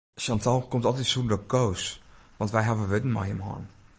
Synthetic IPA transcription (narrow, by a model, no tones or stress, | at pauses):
ʃɑntɔlˠkomtɔlˠtɛtsundɔkows | ʋɑntʋɛjɦavəʋɪdən̩ma̰jəmɦɔ̰n